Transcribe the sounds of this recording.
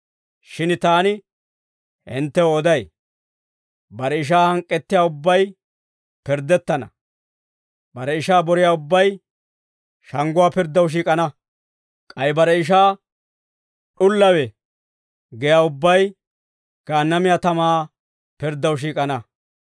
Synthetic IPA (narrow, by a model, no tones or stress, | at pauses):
ʃɪnt̪aːnɪ | hɪ̰nt̪ːɛoːd̪ɐj | bɐɾɛɪʃ̬aːhɐŋkʼːɛt̪ːɪjaːʊbːɐj | pɪɾd̪ɛt̪ːɐnɐ̰ | bɐɾɛɪʃaːbɔɾɪjaːʊbːɐj | ʃɐŋɡʊwaːpɪɾd̪ɐwʃ̬iːkʼɐnɐ | kʼɐjbɐɾɛɪʃ̬aː | ɗʊlːɐwɛ | ɡɛjaːʊbːɐj | ɡ̥aːnːɐmɪjat̪ɐmaː | pɪɾd̪ːɐwʃ̬iːkʼɐnɐ